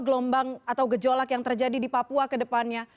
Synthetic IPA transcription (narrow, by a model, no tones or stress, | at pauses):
ɡlɔmbaŋat̪awɡəd͡ʒolakjaŋt̪ərd͡ʒadidipapuakədəpanɲa